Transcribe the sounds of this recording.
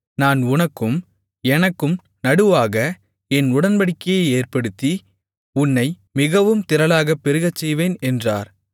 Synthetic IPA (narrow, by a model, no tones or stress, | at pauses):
naːnʊnɐkːɯm | ɛnɐkːɯm | nɐɽɯʋaːɣɐ | ɛnʊɽɐnbɐɽɪkːɐjeeːrpɐɽɯt̪ːi | ʊnːɐɪ | mɪɣɐʋɯmt̪ɪɾɐlaːɣɐpːɛɾɯɣɐt͡ʃːɛjʋeːnɛndra̰ːɾ